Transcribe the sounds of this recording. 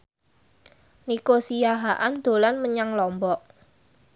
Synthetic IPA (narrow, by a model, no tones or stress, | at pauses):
nikosijaɦaʔand̪̥o̤lanməɲaŋlɔmbɔʔ